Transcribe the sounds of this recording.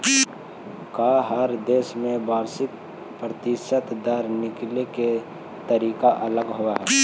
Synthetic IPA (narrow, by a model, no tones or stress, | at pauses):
kaːɦəɾd̪eːʃmẽbaːɾsɪk̚ | pɾət̪ɪʃət̪d̪aɾnɪkleke | t̪əɾiːkaʔɐləɡɦʊwaɦɛ